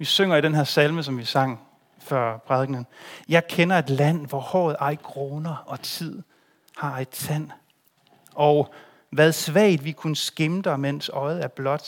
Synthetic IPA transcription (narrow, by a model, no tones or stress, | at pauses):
ʋisøŋ̰ɐiɾ̥enɦeɐsælməs̬ɒ̽mʋisɑ̈ŋ̰ | fɶɐ̰pʰʁɑðˠɡ̥nənjɑ̈ɪkʰenɐe̝d̥læn̰ʋɒhɒ̰ːð̞̩ˠɑ̈ɪɡ̥ʰʁoːnɐɒ̽t͡sʰið̞̰ˠ | hɑ̈ed̥t͡sʰæn̰ | ɒ̽ʊ | ʋæð̞ˠsʋɛ̰ːɪd̥ʋikʰunəsɡ̥emd̥ɐmen̰sɒ̽ɪð̩ˠæɐb̥lɒ̽d̥